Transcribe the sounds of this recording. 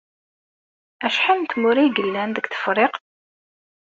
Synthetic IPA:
æʃħint̪mʊɾiɡəlːænðəɡθə̥fɾˤeq

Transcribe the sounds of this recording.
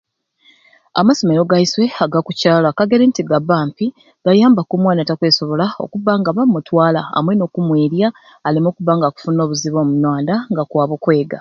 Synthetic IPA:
amaso̞me̞ɾo̞ɡaiswe̞aɡakucaːlakaɡe̞ɾentiɡabaːmpi | ɡ̥ajaːmbakumwaːnatakwe̞ːso̞βo̞lao̞̰kuβaːŋɡaβamːutwaːla̰a̰mwe̞no̞ːkumweːɾjaː | limo̞ːkuβaːŋɡaku̥funo̞ːβuziβo̞ːmunwaːndaŋɡakwaːβokwe̞ːɡa

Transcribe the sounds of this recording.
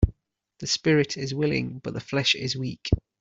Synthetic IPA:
ðəspɪɹɪtʰɪzwɪlɪ̰̃ŋb̥ʌʔðəflɛʃɪ̰zwiˑk

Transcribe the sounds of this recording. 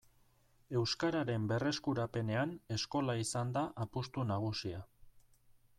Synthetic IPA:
e̞wskaɾaɾe̞mbe̞re̞skuɾape̞ne̞ane̞sko̞laisand̪aʔapust̪unaɣ̞usia

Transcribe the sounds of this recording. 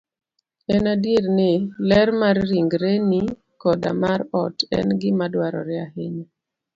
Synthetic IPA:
ɛnadiɾnɪlɛrmarːiŋɡɾeni | kɔda̰maɾɔtɛ̰nɡɪmadwaɾɔ̰ɾɪaheɲa

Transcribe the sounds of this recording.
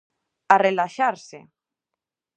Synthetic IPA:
arelaʃaɾsḛ

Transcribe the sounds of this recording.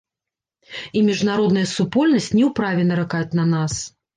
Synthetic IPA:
imʲiʐnaɾɔd̪nɐjɐsupɔlʲnɐsʲt͡sʲnʲɛwpɾavʲilʲnɐɾakajut͡sʲnɐnas

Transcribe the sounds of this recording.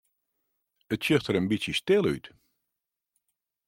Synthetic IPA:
ətsøxtəɾənbisjəstɪlˠy̰t

